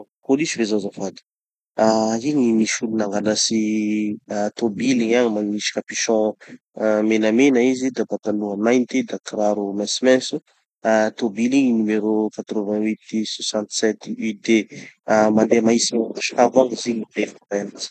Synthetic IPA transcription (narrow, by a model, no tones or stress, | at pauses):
kolisivezazafad̪i̥ | aiɲimiʃulunaŋɡalasi | t̪obiliɲaŋimaniʃi̥kapiʃɔ̃ | menamenaizid̪abat̪anuamajnt̪ed̪akraɾumɛsmɛ̃su | at̪obiliŋinumeɾokat̪ɾovɛ̃wit̪sasãnt̪sɛt̪yd̪eamand̪emaisimakaʃkavaŋiziɲivefvɛnat͡si̥